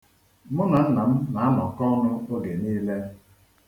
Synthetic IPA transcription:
mʊ˦na˨n̩˦na˨m̩˦na˨a˦mɔ˨kɔ˦nʊ˦o˦ɡe˨niː˦le˦

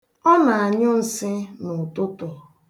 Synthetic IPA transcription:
ɔ˦na˨a˨ɲʊ˦n̩˨sɪ˦nʊ˨tʊ˦tʊ˨

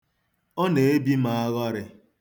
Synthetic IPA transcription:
ɔ˦ne˨e˦bi˦ma˨a˦ɣɔ˦ɾɪ˦

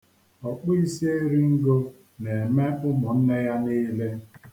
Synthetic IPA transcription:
ɔ˨k͡pʊ˦i˦si˦e˦ɾi˦ŋ̩˦ɡo˦ | ne˨me˦ʔʊ˦mʊ˨n̩˦ne˦ja˦ni˦le˦

